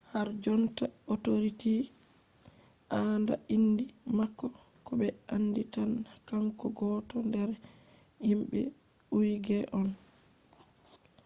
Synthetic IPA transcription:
haɾd͡ʒɔnta | ɔtoɾiti | ʔaːnda̰indimakːɔ | kɔbɛanːditanːakaŋkɔɡɔːtɔndɛɾɛ | himɓɛ̰ | uɾiɡɛʔɔn

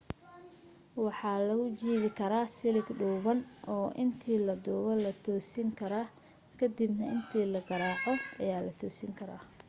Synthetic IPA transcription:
wɑħɑːlɐɣʊt͡ʃiːβɪkʰɐɾaːsɪlɪɡɖuːβɐnɔːʔɪnt̪ʰiːlɐd̪uːβɐlɐt̪ʰɔːsiːŋkʰɐɾaː | kʰɐd̪ibnɐɪnt̪ʰiːlɐɡɐɾaːʕɔɐjaːlɐt̪ʰɔːsiːŋkʰɐɾa̰ː

